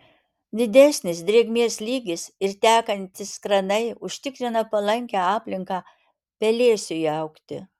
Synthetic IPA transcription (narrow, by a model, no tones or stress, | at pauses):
d̪ʲɪd̪ʲæsʲnʲɪsd̪ʲɾʲeːɡmʲeɛslʲiːɡʲɪsɪɾt̪ʲæːkɐnʲt̪ʲɪskɾɐnɐɪʊʃʲt̪ʲɪkɾʲɪnɐpɐlˠɐŋʲkʲæɑːpʲlʲɪŋkɑː | pʲɛlʲeːsʲʊjɐʊkt̪ʲɪ̰